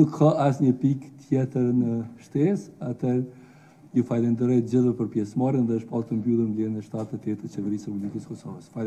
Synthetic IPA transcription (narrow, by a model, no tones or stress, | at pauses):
d̪ukhaʔasɲəpikt̪ʰjɛt̪əɾnəʃt̪ɛsat̪ʰɛɾ | jufalɛnd̪əɾɛjt̪̚d͡ʑəðɛpəɾpjɛsmaɾənðɛəʃpalˠt̪əmbuðˠənlinɛʃt̪at̪ɛt̪ɛt̪ət͡ɕɛvɛɾisɾɛpublikəskɔsɔvəsfal